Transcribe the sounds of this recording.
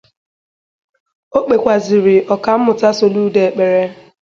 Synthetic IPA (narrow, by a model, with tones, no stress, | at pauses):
o˦k͡pe˨kʷa˨zɪ˨ɾɪ˨ʔɔ˨ka˨m̩˦mʊ˨ta˦so˨lu˦de˨e˨k͡pe˨ɾe˦